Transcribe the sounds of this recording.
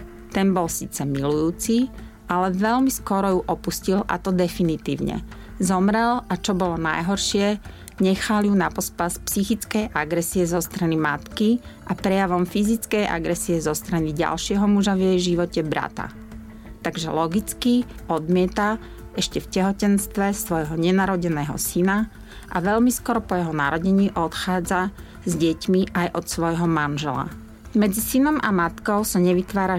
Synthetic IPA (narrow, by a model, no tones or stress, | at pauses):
t̪ɛnbɔlsḭːt͡sɛmilujuːt͡si | alɛʋɛlmiskɔɾɔjuʔɔpuscilʔa̰t̪ɔd̪ɛfinit̪ḭːʊɲɛ̰ | zɔmɾɛlʔat͡ʃɔbɔlɔna̰jɦɔɾʃɪɛ | ɲɛxaljunapɔspaspsixit͡skɛjʔaɡɾɛsiɛzɔst̪ɾanimat̪ki | ʔapɾɛjaʋɔmfizit͡skɛjʔa̰ɡɾɛsiɛzɔst̪ɾaniɟa̰lʃɪɛɦɔmuʒaʋjɛjʒiʋɔcɛbɾa̰t̪a̰ | t̪aɡʒɛ̰lɔɡit͡skiɔd̪mɪɛt̪a | ɛʃcɛfcɛɦɔcɛnst̪ʋɛsʋɔjɦɔɲɛnaɾɔɟɛnɛːɦɔ̰sina | ʔaʋɛʎmiskɔɾɔpɔjɛɦɔnaɾɔɟɛɲiːʔɔt̪xaːd͡za | zɟɛcmiʔajʔɔt̪sʋɔjɦɔmanʒɛla̰ | mɛd͡zisinɔmamat̪kɔʊsaɲɛʋit̪ʋaːɾa